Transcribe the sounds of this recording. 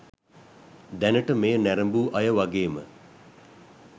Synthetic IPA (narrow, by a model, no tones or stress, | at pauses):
d̪ænəʈəmeːənæɾəmbuːʔɐjəʋaɡeːmə̰